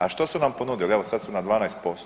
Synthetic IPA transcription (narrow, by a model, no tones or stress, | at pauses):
aʃt̪osunampo̞nuːd̪ilieʋosad̪sunad̪ʋaːnajst̪̚po̞st̪